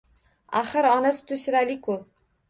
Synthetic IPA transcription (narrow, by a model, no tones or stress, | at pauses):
aχɨɾɒnasɪ̥t̪ʰʊʃɾalɪkʰʊl